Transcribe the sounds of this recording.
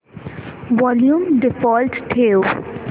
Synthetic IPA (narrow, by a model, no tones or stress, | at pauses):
ʋɔːljũmɖɪfɔːlʈʈʰeːʊ